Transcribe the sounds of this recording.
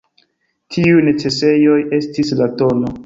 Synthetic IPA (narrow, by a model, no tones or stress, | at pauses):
tʰiujne̞t͡se̞se̞jo̞je̞stislato̞no